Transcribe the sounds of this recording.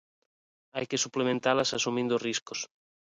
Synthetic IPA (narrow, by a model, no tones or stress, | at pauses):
ajkesuplemẽnt̪alasasumĩnd̪osriskos